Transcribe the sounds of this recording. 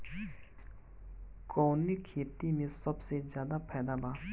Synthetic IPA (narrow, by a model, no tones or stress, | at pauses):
kɔŋnikʰit̪imisɔp̚sed͡ʑad̪apʰed̪aba